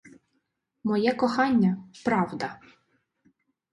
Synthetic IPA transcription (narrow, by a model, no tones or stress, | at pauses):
mɔjɛkɔxɑnʲːɐpɾɑwd̪ɐ